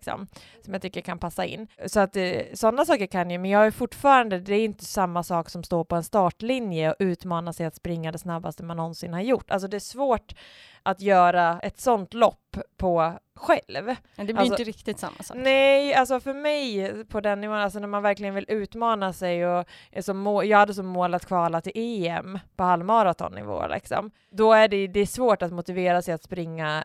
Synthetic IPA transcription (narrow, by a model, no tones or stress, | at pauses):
ksɔ̰m | sɔmjaːt̪ʰʏkːəɾkʰanpʰasːaɪ̰nːsɔat̪sɔnːasɑːkəɾkʰanjəmɛnjɑːɡjʉfʊʈːfɑːɾand̪əd̪ɛæɾɪnt̪əsamːasɑːksɔmst̪oːɾpɔɛnst̪ɑːʈlɪnjəɔʔʉ̟ːt̪mɑːnasɛjat̪spɾɪŋːad̪ɛsnabːa̰st̪əmanːɔnsɪnhaɾjʊʈːa̰ls̬ɔd̪ɛæʂvoːʈ | ʔat̪jœːɾaɛt̪sɔnt̪lɔpːʰɔ | ɧɛlv | ɛalsəɾɪkt̪ɪt̪sa̰mːasnɛals̬ɔfœɾmɛjpʰɔd̪ɛnːɪvoːənals̬ɔnæɾmanvæɾklɪɡənvɪlʔʉ̟ːt̪mɑːnasɛjɔ | sɔmːoːjɑːɡhad̪ːəs̬ɔmːoːlat̪kʰvɑːlat̪ʰɪlʔeːɛmpʰɔhalːmɑɾat̪ʰɔ̰nːɪ̰vo̰ːlɪ̰ksɔ̰m | d̪ɔæɖɛd̪ɛːʂvoːʈat̪mʊt̪ɪveːɾasɛjat̪spɾɪŋːa